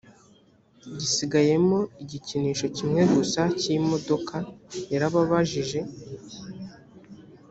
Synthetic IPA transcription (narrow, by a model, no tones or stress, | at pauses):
ɟisiɡaje̞mo̞iɟiciniːʃo̞cimŋe̞ɡusacimo̞do̞kʰajaɾaβaβaʒiʒe̞